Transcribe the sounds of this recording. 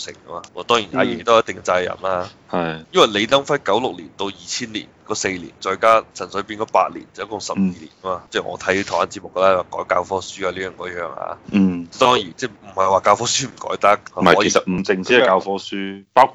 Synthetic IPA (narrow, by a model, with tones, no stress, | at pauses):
sɪ̰˨˩ŋkɐ˥maː˧ɔ˨˧˩t̪ɔː˥ŋji˨˩naː˨˧jɛ̰˨˩t̪o˥˨jt̪ɪ˨ŋ˧t͡saː˧jɐ̰˨˩nlaː˧ | hɐ˨jjɐ˥nwɐ˨jle˨˧jt̪ɐ˥ŋfɐ˥jkɐ˨˥wlʊ˨k̚liː˨˩nt̪o˧wjiː˨˩t͡sʰiː˥nlḭː˨˩nkɔː˧se˧jlḭː˨˩nt͡sɔː˧jkaː˥t͡sʰɐ˨˩nsɵ˨˥piː˧nkɔː˨˧pa̰ː˧t̚lḭ˨˩nt͡sɐ˨jɐ˦˥kʊ˧ŋsɐ˨p̚jiː˧lḭː˨˩nkɐ˥maː˧t͡sɛː˥˩ŋɔ̰ː˧t̪ʰɐ˨˥ji˧t̪ʰːwaː˧˥nt͡si˧t̚mʊ˨kːɐ˧laː˦˥˩wa˨˩kɔː˨˥jkaː˧wfɔː˧˥syː˥aː˧liː˥jœː˨˩ŋkɔː˨˥jœː˧ŋa̰ː˧t͡sɛ˥t̪ɔː˥ŋjiː˨˩nt͡sɛː˥˩m̩˨˩hɐ˨jwaː˨kaː˧wfɔː˥syː˥m̩˨˩kɔ̰ː˨˥jt̪ɐ˥k̚ʰɐ˨˥e˨˩sɐ˨t̚m̩˨˩t͡sɪ˧ŋiː˨˥ɐ˨kaː˧wfɔː˥syː˥paː˥